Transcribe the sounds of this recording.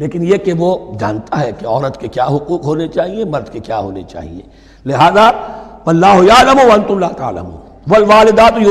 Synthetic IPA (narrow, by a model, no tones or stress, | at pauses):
leːkɪnjekeʋod͡ʒa̰ːnt̪aɦɛkeɔːɾət̪kekjaːɦʊquːqɦoːnet͡ʃaːɦiemɐɾd̪kekjaːɦo̰ːnḛt͡ʃa̰ːɦḭḛː | lɪɦaːzaɐlːaːɦojaːlɐmowɐɐ̃nt̪ʊlːaːt̪a̰ːlɐ̰mṵːn | ʋɐlʋaːlɪd̪aːt̪j